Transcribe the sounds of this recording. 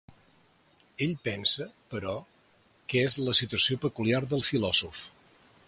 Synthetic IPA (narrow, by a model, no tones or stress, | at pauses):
eʎpɛnsəpəɾɔ | kezləsit̪uəsiopəkuliaɾðəlˠfilɔzuf